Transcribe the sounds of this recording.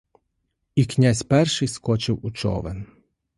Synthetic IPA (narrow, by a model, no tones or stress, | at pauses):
iknʲazʲpɛrʃɪjskɔt͡ʃɪwut͡ʃɔ̰ʋɛ̰n